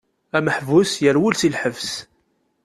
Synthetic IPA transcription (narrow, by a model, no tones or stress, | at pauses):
æməħvusjəɾwʊlsilħəvs